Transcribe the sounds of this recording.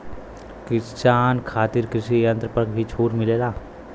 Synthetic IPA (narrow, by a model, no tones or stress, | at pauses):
kɪst͡ʃaːnkʰaːt̪ɪɾkɾɪʃijɐ̃nt̪ɾəpəɾkbʱit͡ʃʰoːʈmɪleːlaː